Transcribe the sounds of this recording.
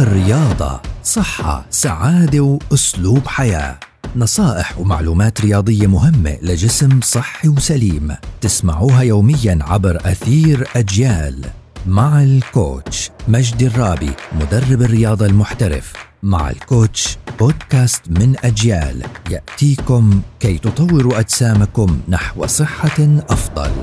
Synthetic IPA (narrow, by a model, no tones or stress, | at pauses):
ʔɪrːɪjɑːd̪ˤɑ̰sˤɨħːɑ̰saʕaːd̪awʔʊsluːbħaja̰ː | nɑsˤɑːʔɪħwma̰ʕluːmaːt̪ɾɪjɑːd̪ˤɪjːamʊɦɪmːḛlɪd͡ʒɪsmsˤɨħːiwsaliːmt̪ɪsmaʕuːɦajoːmɪjːanʕabɾʔaθiːɾʔad͡ʒjaːlmaʕalko̰ːtt͡ʃmad͡ʒd̪ɪrˤːɑːbḭmʊd̪arˤːɪbɪrːɪjɑːd̪ˤɑlmʊħt̪aɾɪ̰f | ma̰ʕɪ̰lkoːt̪t͡ʃb̥oːd̪kaːst̪mɪnʔad͡ʒja̰ːlja̰ʔt̪iːkʊmkaːjt̪ʊt̪ˤɑwːɪɾuʔad̪saːmakʊmnaħw̰sˤɨħːaʔɑfd̪ˤɑ̰l